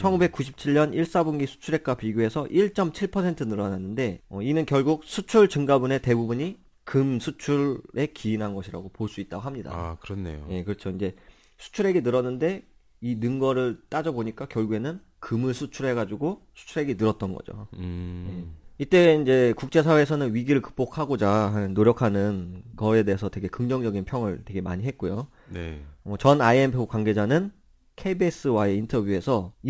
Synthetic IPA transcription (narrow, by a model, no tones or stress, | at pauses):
t͡ɕʰʌnɡube̞k͈uɕʰi̥p̚t͡ɕʰiɭɲʌniɭs͈abuŋɡisʰu̥t͡ɕʰuɾe̞k͈apiɡjoe̞sʰʌʔiɭt͡ɕ͈ʌmt͡ɕʰiɭpʰʌsʰe̞ntʰɯnɯɾʌnanːɯnde̞ʌinɯnkjʌɭɡuk̚sʰut͡ɕʰuɭt͡ɕɯŋɡabune̞te̞bubuɲi | kɯmsʰut͡ɕʰuɭɾe̞kiinɦanɡʌɕʰiɾa̰ɡopoɭs͈uit̚t͈aɡoɦamɲida̰kɯɾʌnːḛjoje̞kɯɾʌt͡ɕʰoind͡ʑe̞ | sʰu̥t͡ɕʰuɾe̞ɡe̞nɯɾʌnːɯnde̞ | inɯŋɡʌɾɯɭt͈ad͡ʑʌboɲik͈akjʌɭɡue̞nɯn | kɯmɯɭsʰut͡ɕʰuɾɦe̞ɡad͡ʑuɡosʰu̥t͡ɕʰuɾɦe̞ɡenɯɾʌt̚t͈ʌnɡʌ̰d͡ʑo̰je̞it͈e̞ind͡ʑe̞kuk̚t͡ɕ͈e̞s̬ʰawe̞ːsʰʌnɯnɥiɡiɾɯɭkɯ̥k̚p͈okʰaɡod͡ʑaɦanɯnːoɾjʌkʰanɯnkʌe̞de̞ɦːsʰʌtwe̞ɡe̞kɯŋd͡ʑʌŋd͡ʑʌɡinpʰjʌŋɯɭtwe̞ɡe̞ma̰ɲiɦe̞t̚k͈ojo | neʌt͡ɕʌnaiempʰokwaŋɡe̞d͡ʑanɯn | kʰebes͈ɯwae̞intʰʌbjue̞sʰʌi